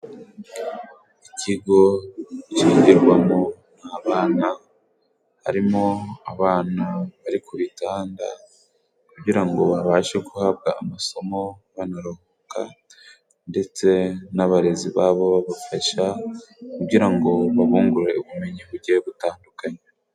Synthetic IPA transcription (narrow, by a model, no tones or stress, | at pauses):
iciɡo̞ciːɲɟiɾɡwamo̞ | n̥haːβaːna | ha̰ɾimo̞aβaːnaβaɾikuɾitaːnda̰ | kubɟiɾaŋɡo̞βaβaːʃekuhabɡa̰ːmaso̞mo̞βanaɾohoka̰ | nde̞t͡se̞naβaɾe̞ziβaːβo̞βaβafaʃakubɟiɾaŋɡo̞βaβuːŋɡuɾe̞uβume̞ɲiβuɾɟeβutaːndukaɲe